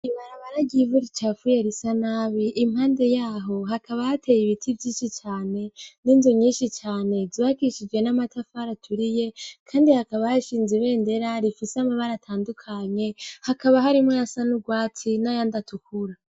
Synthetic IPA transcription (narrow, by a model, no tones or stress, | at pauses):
iβaɾaβaɾaɟivuɾit͡ʃafujeɾisanaːβiʔimhaːnde̞jaːɦo̞ɦakʰaβahatʰe̞jiβitʰivjiːʃit͡ʃaːne̞niːnzoɲiːnʃit͡ʃaːne̞ziβakiʃid͡ʒɡe̞namatʰafaɾatʰuɾije̞kʰaːndihakaβahaʃiːnziβe̞ːnde̞ɾaɾifisamaβaɾatʰaːndukʰaɲe̞hakaβaɦaɾimŋojasanuɡwaːtinajandatukʰuɾa